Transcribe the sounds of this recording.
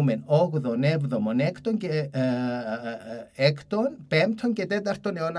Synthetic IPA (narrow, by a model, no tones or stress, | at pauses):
mɛnɔɣðɔnɛvðɔmɔnɛkʰt̪once | ɛkʰt̪onpɛmt̪ʰɔncɛt̪ɛt̪aɾ̥t̪oneon